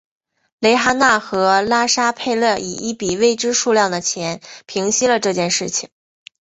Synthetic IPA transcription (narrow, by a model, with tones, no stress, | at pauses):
le˧˥ɪxa˥na˥˩xɤ˧˥la˥ʂa˥pʰe˥˧ɪlɤ˥˩ʔḭ˨˩ʔi˥˩pi˨˩we˥˩ɪʈ͡ʂɻ̩˥ʂu˥˧ljɑ˥˩ŋd̪ə˩t͡ɕʰjɛ˧˥npʰi˧˥ŋɕi˥lə˨ʈ͡ʂɤ˥˧t͡ɕjɛ˥˧nʂɻ̩˥˩t͡ɕʰi˩ŋŋ